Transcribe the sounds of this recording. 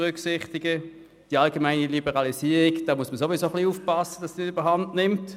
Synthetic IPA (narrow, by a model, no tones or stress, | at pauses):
ʁʏksɪχtɪɡə | d̥iɑlɡemaɪnilibəʁɑlisiːəʁiɡd̥ɑːmuəsməsoʋisoχliuːfpɑsəd̥ɑsd̥inɪdyb̥əɦɑndnɪmt